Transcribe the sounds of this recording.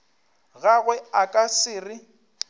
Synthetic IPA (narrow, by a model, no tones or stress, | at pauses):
ɣaɣwɛakʼasɪːrɪ